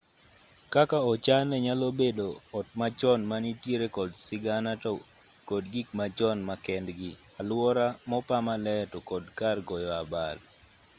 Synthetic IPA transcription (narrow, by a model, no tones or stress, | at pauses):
kakaɔt͡ʃanɛɲalobedoɔt̚mat͡ʃɔnmanitjeɾekɔdsɪɡanatɔ | kɔdɡikmat͡ʃɔnmakɛndɡɪ | alwɔɾamɔpamalɛtɔkɔdkarɡɔjɔabal